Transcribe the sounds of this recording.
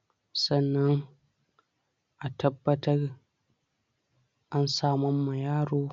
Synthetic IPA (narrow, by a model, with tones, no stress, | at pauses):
sɐ˦˨nːɐ˦ŋ | ʔa˨tʰɐ˦bːɐ˦tɐ˦r | ʔa˦nsaː˦mɔ˦mːa˨jaː˦ɽoː˦